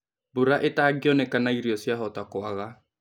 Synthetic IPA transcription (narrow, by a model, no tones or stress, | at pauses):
buɾaʔɪtaɡɪɔnɛkanaiɾjɔsjaɦɔtakʊaɣa